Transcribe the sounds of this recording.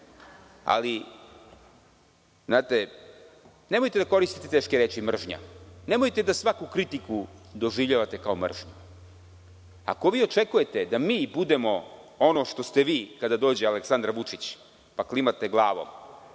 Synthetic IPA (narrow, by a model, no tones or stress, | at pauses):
a̰li | znaːt̪e̞ | ne̞mojt̪e̞d̪ako̞ɾist̪i̥t̪et̪e̞ːʃkeɾe̞ːt͡ʃimr̩ʒɲa̰ne̞mojt̪e̞d̪asʋakukɾit̪ikud̪o̞ʒiʋʎaʋat̪e̞kao̞mr̩ʒɲu | a̰ko̞ʋiːo̞t͡ʃe̞kuje̞t̪ed̪amiːbud̪e̞mo̞ | o̞no̞ʃt̪o̞st̪e̞ʋiːkad̪ad̪o̞ːd͡ʑealeksand̪ɾaʋut͡ʃit͡ɕ | paklimat̪eɡlˠaːʋo̞̰m